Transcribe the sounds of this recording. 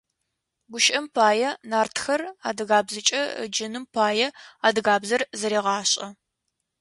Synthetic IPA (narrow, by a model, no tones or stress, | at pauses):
ɡʷʊʃʼɐmpʰaːjɛnaːrtʰxɐraːdɨɣaːbzɨt͡ʃʼɐ̰d͡ʒɪnɨmpʰaːjɛaːdɨɣaːbzɐrzɐɾeːʁɑːɕʼɐ